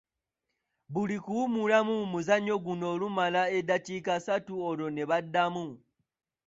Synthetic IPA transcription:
βulikuːmulamumuzaɲːo̞ɡuno̞ːlumalae̞daciːkasatuolo̞ne̞βadːamu

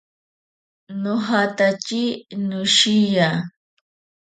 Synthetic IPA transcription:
nʊɦat̪at͡ʃinʊʃija

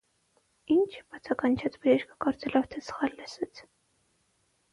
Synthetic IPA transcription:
int͡ʃʰbɑt͡sʰɑkɑnt͡ʃʰɑt͡sʰbəɾɛʃkʰə̥kɔɾt͡sɛlɔvt̪ʰɛsə̥χɑlːɛsɛt͡sʰ

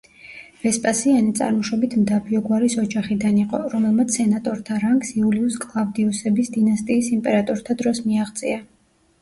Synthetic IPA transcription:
v̥ɛspʼasianit̪sʼa̰ɾmɔʃɔbit̪ʰmd̪abiɔɡwaɾisɔd͡ʒaχid̪aniqʼɔ̰ɾɔmɛlˠmat̪sʰsɛnat̪ʼɔɾt̪ʰaɾaŋksiuliuskʼlˠavd̪iusɛbisd̪inast̪ʼiːsimpʼɛɾat̪ʼɔɾt̪ʰad̪ɾɔsmiaʁt̪sʼia

